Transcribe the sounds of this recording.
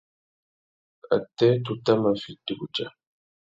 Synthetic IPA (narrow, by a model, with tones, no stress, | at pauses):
a̰˨tɛ˦tu˨ta˦ma˨fi˨tu˨ku˨d͡ʒa˨